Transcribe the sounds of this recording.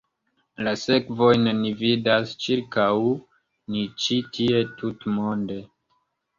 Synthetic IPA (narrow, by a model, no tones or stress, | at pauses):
lase̞kvo̞jnnividast͡ʃiɾkaw | nit͡ʃitʰie̞tutmonde̞